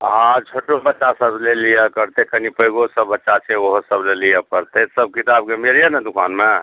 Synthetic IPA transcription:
ɦãt͡ʃʰoʈobətːʃasəblelijəkəɾt̪ekənipəjɡosəbːətːʃat͡ʃʰɛoɦosəblelijəkəɾt̪esəb̚kit̪abkemiɾijənɛd̪ukʰa̰nme

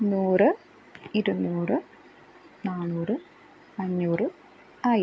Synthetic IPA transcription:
nuːrɨ | iɾunːuːrɨ | naːɭnuːrɨ | pɐɲːuːrɨ | aːj

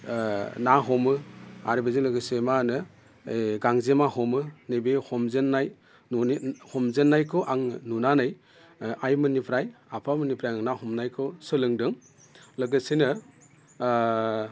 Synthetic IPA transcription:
naɦɔmɯa̰ɾibezilɯɡɯsemanɯ | ɡaŋzemahɔmɯnebehɔmzenːaj | hɔmzenːajkʰɯwʔaŋnunanɯj | ajmɯnipʰɾajapʰamɯnipʰɾajɯnahɔmnajkʰɯwsɯlɯŋdɯŋ | lɯɡɯsenɯ

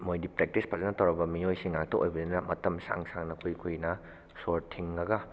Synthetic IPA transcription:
mojdipɾek̚tispʰazɐnɐtɐwɾɐbɐmiojsiŋak̚toʔojbɐdinnɐmɐtɐmsa̰ŋsaŋnɐkʰujkʰujnɐ | soɾtʰiŋːɐɡɐ

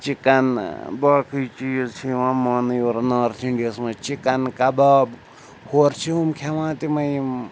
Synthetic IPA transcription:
t͡ʃikɐnbaːkʰɨt͡ʃijt͡ʃʰiʋãːmanjoɾnaːɾt̪ʰiɳɖiɐsmɐ̃t͡ʃikɐnkɐbab | hoɾt͡ʃʰiumkʰeʋãːt̪imɐjim

